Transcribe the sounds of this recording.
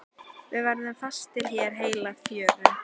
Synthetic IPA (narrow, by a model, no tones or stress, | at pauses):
vɪvajɾðɪmfast̪ːɪlçjɛːɾ̥ɦeːjlafjœːðʏ